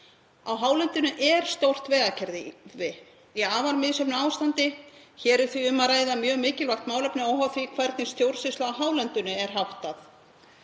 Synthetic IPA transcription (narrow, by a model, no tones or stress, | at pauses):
awɦaːwlɛnt̪ʏnʏʔɛɾ̥st̪owr̥t̪vɛːɣacʰɛɾðɪvɪ | iaːvaɾmɪðsɛpnʏaːwst̪ant̪ɪ | çɛːɾɛɾ̥θviʏmːaɾaːjðamjœːɣmɪːcɪlvajxt̪maːwlœpnɪawɦaθiːkʰvaɾt̪nɪst̪jowɾ̥sɪslaːwɦaːwlɛnt̪ʏnʏɛɾ̥ɦawht̪aθ